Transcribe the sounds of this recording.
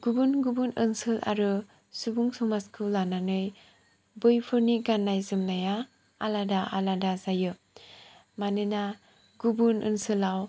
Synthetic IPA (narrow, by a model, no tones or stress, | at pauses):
ɡ̥ubunɡubunɯnsɯlʔa̰ɾɯ | subuŋsɔmaskʰɯlananɯj | bɯjpʰɯɾniɡanːajzɯmnaja | aladaʔa̰ladazajɯ | manɯna | ɡubunʔɯ̰nsɯlaw